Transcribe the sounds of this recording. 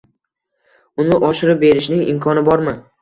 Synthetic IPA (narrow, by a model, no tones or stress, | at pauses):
ʊnɪʔɒʃɪɾɪp̚be̞ɾɪʃnɪŋɪ̰mkʰɒnɪbɒɾmɪ